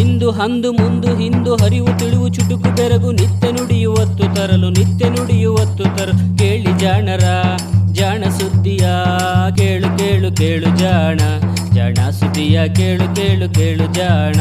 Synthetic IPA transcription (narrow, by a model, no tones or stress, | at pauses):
ɦind̪uɦɐnd̪umund̪uɦind̪uɦɐɾiʋut̪iɭiʋut͡ʃuʈːukubɛɾɐɡunit̪ːenuɽijuʋɐt̪ːut̪ɐɾɐlunit̪ːenuɽijuʋɐt̪ːut̪ɐɾɐkeːɭid͡ʒaːɳɐɾɐ | d͡ʒaːɳɐsud̪ʱːija | keːɭukeːɭukeːɭud͡ʒaːɳɐ | d͡ʒaːɳɐsud̪ːijakeːɭukeːɭukeːɭud͡ʒaːɳɐ